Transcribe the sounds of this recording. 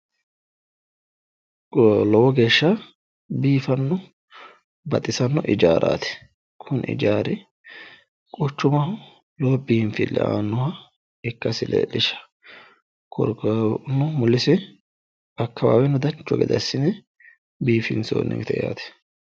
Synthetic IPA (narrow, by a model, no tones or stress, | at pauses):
lɔwɔɡe̞ːʃːɐ | biːfɐnːɔ | bɐ̰t̪ʼɪsɐnːɔʔɪd͡ʒaːɾa̰ːt̪ɛ̥ | kʰʊnʔɪ̰d͡ʒaːɾɪ | kʼʊt͡ʃːʊmɐhʊ | lɔwɔbiːmfɪlːɛ̰a̰ːnːɔhɐ | ɪkːɐsɪlḛlːɪʃɐ̥ | kʰɔ̰ɾkɐnːʊmʊlːɪsɪ | ɐkʰːɐwa̰ːwɛnːʊd̪ɐnt͡ʃːɔɡɛ̰d̪ɐ̰sɪnɛ | biːfɪnso̰ːnːɛ̰ŋt̪ɛja̰ːt̪ɛ̥